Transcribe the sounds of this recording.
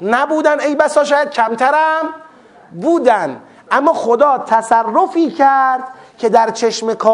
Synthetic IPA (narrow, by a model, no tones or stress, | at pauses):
næbuːd̪ænejbæsɒːʃɒːjæd̪̚cʰæmt̪ʰæɾæm | buːd̪ænd̪ | ʔæmːɒːxod̪ɒːt̪ʰæsærːofiːcʰæɾd̪̥kʰed̪æɾt͡ʃʰeʃmekʰɒː